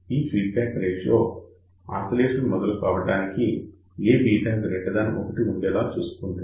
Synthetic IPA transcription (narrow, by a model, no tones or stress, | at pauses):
iːfʰiːɖpaːkɾeːʃloː | a̰ːsɐleːʃɐnumɔd̪ɐlukaːʋɐɽaːniki | eːbiːʈɐnɡɾeʈɖɐd̪ɐnʔokɐʈiuɳɖɛːlaːt͡ʃuːsu̥kund̪i